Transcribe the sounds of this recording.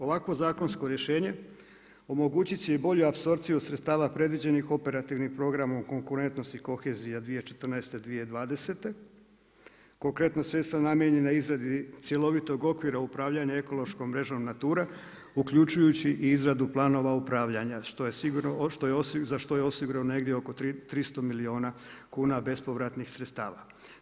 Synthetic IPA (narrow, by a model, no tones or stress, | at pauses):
o̞ʋakʋo̞zaːkonsko̞ɾjeʃe̞ːɲe̞ | o̞mo̞ɡuːt͡ɕit͡ɕebo̞ʎuapso̞ɾt̪sijusɾet̪st̪aːʋapɾe̞d̪ʋid͡ʑe̞nixo̞pe̞ɾat̪iʋnixpɾo̞ɡɾamoko̞ŋkuɾe̞nt̪no̞st̪iko̞xe̞zijad̪ʋije̞t͡ʃe̞̥t̪rnaest̪e̞d̪ʋijed̪ʋaːd̪e̞se̞t̪e̞ | ko̞ŋkɾe̞t̪nosʋje̞t̪st̪ɾanamjeɲe̞naizɾad̪it̪sʲje̞lo̞ʋit̪o̞ɡo̞kʋiɾaupɾaːʋʎaɲae̞ko̞lo̞ʃko̞mɾe̞ʒo̞mnat̪uːɾa | ukʎut͡ʃujut͡ɕiʔiizɾad̪uplˠaːno̞ʋaupɾaːʋʎaɲaʃt̪ojesiɡuɾoʃt̪ojeszaʃt̪ojeo̞siɡuɾaone̞ɡd̪jeoko̞t̪it̪ɾist̪o̞milio̞ːnakuːnabe̞spo̞ʋɾat̪nixsɾet̪st̪aːʋa̰